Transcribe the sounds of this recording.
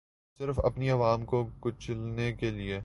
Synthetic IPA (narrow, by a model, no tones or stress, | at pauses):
sɪɾfɐ̰pniɐʋaːmkokʊt͡ʃlnekelie